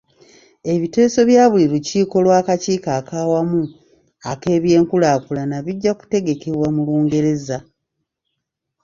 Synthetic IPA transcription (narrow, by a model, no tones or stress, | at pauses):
e̞βite̞ːso̞βjaːβuliɾuciːko̞lwaːkaciːkaːkaːwamu | ake̞ːβje̞ːŋkulaːkulanaβiɟːaku̥te̞ɡe̞ke̞βwamuluːŋɡe̞ɾe̞za